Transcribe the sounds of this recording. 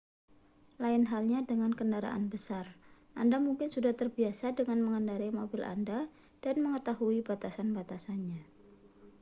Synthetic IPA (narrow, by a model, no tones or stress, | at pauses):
laɪnɦalɲadəŋankəndaɾa̰ʔanbəsarʔandamuŋkɪnsudaht̪ərbiasadəŋanməŋəndaɾaimobɪlʔa̰nda | d̥anməŋət̪aɦuibat̪asanbat̪asanɲa